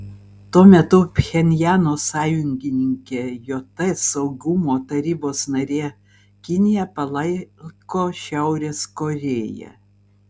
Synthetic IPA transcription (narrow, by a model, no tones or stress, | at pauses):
t̪uɔmʲɛt̪ʊpʲxʲɛnʲjæːnoːsɑːjʊŋʲɡʲɪnʲɪŋʲkʲeːjoːt̪ɐsɐʊɡʊmoːt̪ɐɾʲiːboːsnɐɾʲeː | kʲɪnʲɪjɛpɐlˠɐɪkoːʃʲæˑʊɾʲeːskoɾʲeːjɛ̰